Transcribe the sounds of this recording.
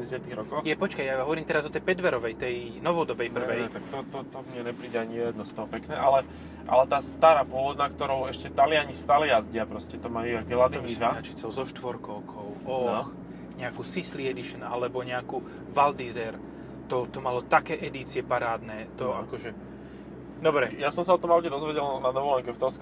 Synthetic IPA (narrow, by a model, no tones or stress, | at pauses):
ɛsɪat̪iɣɾɔkɔjɛpɔt͡ʃkajjaɦɔʋɔɾiːmt̪ɛɾazɔt̪ɛjpɛd̪ʋɛɾɔʋɛjt̪ɛjnɔʋɔd̪ɔbɛjpr̩ɛjɛt̪akt̪ɔt̪ɔt̪ɔmɲɛɲɛpɾiːɟɛaɲɪɛjɛd̪nɔst̪ɔɦɔpɛknɛːʔalɛ | ʔa̰lɛt̪aːst̪aːɾaːpʊɔʋɔd̪nakt̪ɔɾɔʊɛʃcɛt̪alɪaɲist̪alijazɟɪapɾɔscɛt̪ɔmajuaɡɛlad̪ɔmiaat͡ʃi̥t͡sɔlzɔʃt̪ʋɔɾkɔʊkʰɔʊɔ | ɲɛakuːsisliɛd̪iʃəna̰lɛbɔɲɛakuː | ʋald̪izɛɾ | t̪ɔt̪ɔmalɔt̪akɛːʔɛd̪it͡sɪɛpaɾaːd̪nɛːt̪ɔʔakɔʒɛ | d̪ɔbɾɛjasɔmsaɔt̪ɔmaʊɲɛd̪ɔzʋɛɟɛlnad̪ɔʋɔlɛŋkɛft̪ɔsk